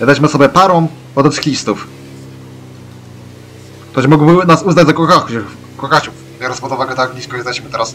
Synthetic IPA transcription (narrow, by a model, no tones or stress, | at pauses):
jʲɛd̪alʲiɕmɘɔsɔbʲɛpaɾɔ̃w̃ | ɔd̪ɔt̪sɨ̥kʲlʲist̪uf | k̚t̪ɔɕmɔɡwbnasuzad͡ʑzakɔxaxu | kɔxat͡ɕu | bʲɔɾɔnspɔd̪uvaɡɛt̪aɡvlʲiskɔjɛst̪ɛiɕmɘt̪ɛɾas